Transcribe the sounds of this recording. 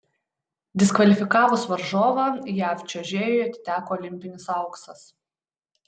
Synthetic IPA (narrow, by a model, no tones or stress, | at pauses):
d̪ʲɪskʋɐlʲɪfʲɪkɑːʋʊsʋɐɾʒoːʋɑjæːfʲt͡ʃʲoʒʲeːjoɐt̪ʲɪ̥t̪ʲæːkoːɔlʲɪmʲpʲɪnʲɪsɐˑʊksɐs